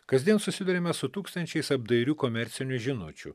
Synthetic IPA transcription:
kɐzʲd̪ʲiɛnsʊsʲɪd̪uɾʲemʲɛsʊt̪uːkst̪ɐnʲt͡ʃʲɛɪsɐb̚d̪ɐɪɾʲuːkoːmʲɛɾʲt̪sʲɪnʲʊʒʲɪnʊ̰t͡ʃʲʊ̰

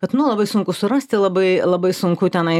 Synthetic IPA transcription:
kɐt̪nʊlˠɐbɐɪsʊŋkʊsʊɾɐsʲt̪ʲɪlˠɐbɐɪlˠɐbɐɪsʊŋkʊt̪ʲɛnɐɪ

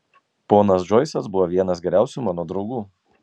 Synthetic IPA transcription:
poːnɐs̬d͡ʒɔɪsɐsbʊʋoʋʲiɛnɐsɡʲɛɾʲæˑʊsʲumɑːnoːd̪ɾɒʊɡuː

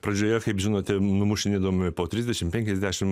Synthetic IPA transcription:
pɾɐd͡ʒʲoːjɛkɐɪpʒʲɪnoːt̪ʲɛnʊmʊʃʲɪnʲɪd̪oːmʲɪɪpoːt̪ʲɾʲizʲd̪ʲɛʃʲɪmpʲɛŋʲkʲɛzʲd̪ʲæːʃʲɪm

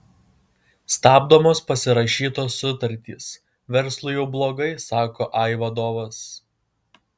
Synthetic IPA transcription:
st̪ɑːbd̪oːmoːspɐsʲɪɾɐʃʲiːt̪oːsʊt̪ɐɾʲt̪ʲḭːs | ʋʲɛɾslˠʊjɛʊblˠoːɡɐɪsɑːkoːʔɑɪʋɐd̪oːʋɐs

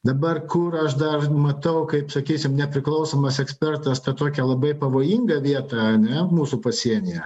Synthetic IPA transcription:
d̪ɐbɐrkʊɾɐʃd̪ɐrmɐt̪ɐʊkɐɪpsɐkʲiːsʲɪmnʲɛpʲɾʲɪklˠɐʊsoːmɐsɛksʲpʲɛrt̪ɐst̪ɐt̪oːkʲɛlˠɐbɐɪpɐʋoːjɪŋɡɐʋʲiɛt̪ɐɐnʲɛmuːsʊpɐsʲiɛnʲɪjɛ

